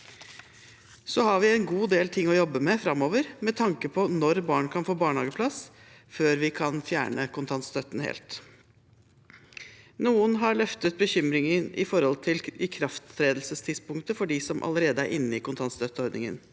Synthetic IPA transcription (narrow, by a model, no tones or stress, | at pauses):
sɔhɑɾʋɪɛnɡuːd̪eːlt̪ʰɪŋːɔjɔbːəmɛfɾɑmːoːʋəɾmɛt̪ʰɑŋkəpʰɔnɔɾbɑːɳkʰɑnfoːbɑːɳhɑːɡəpʰlɑs | føːɾʋɪkʰɑnfjæ̰ːɳəkʊnt̪ʰɑnt̪st̪œt̪n̩hḛːlt̪ | nuːənɦɑɭœft̪ət̪̚bəçʏmɾɪŋənʔɪ̰fɔɾhɔlt̪ʰɪlɪkʰɾɑft̪ʰɾeːd̪l̩səst̪ʰɪd̪spʊŋkt̪əfɔɖɪsɔmʔɑ̰ləɾeːd̪əæ̰ɾʔɪnːəɪkʊnt̪ʰɑnt̪st̪œt̪ːəɔɾd̪nɪŋə̰n